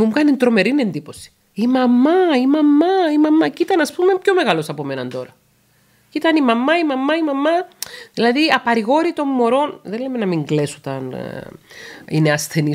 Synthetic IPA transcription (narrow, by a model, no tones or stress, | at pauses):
umukɐnint̪ɾo̞me̞ɾine̞nd̪ipo̞si̥ | imɐmːɐimɐmːɐimɐmɐcit̪ɐnɐspumepço̞me̞ɣɐlosɐpo̞me̞nɐnt̪o̞ɾɐ | cit̪ɐnimɐmɐimɐmːɐimɐmɐðilɐðiɐpɐɾiɣo̞ɾit̪o̞mːo̞ɾo̞nðelemenɐmiŋɡlesot̪ɐ̰n | ineɐsθe̞ni